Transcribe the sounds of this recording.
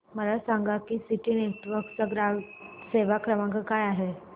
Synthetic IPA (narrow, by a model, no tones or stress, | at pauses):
məlasaŋɡakiːsiʈiːneʈʋəɾkt͡saɡɾaʋseʋakɾəmãŋkəkajaɦe